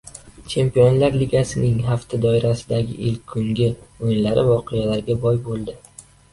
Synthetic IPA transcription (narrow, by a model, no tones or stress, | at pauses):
t͡ʃʰe̞mpijonlaɾliɡʲasɪnɪŋɦaft̪ʰad̪ɒɪɾasɪd̪aɡʲɪ̰ʔɪlkʲʰːʊŋɡʲɪojɪnlaɾɪvɒqʰɨjalaɾɡʲabɒjbolˠd̪ɪ